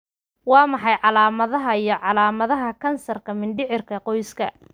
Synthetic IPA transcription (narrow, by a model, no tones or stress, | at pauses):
wɑːmɑħɑjʕɑlaːmɐðɐɦɐijɞʕɑlaːmɐðɐɦɐkʰɐnsɐrkʰɐmɪnɖɪʕɪrkʰɐqɔjskʰɐ̰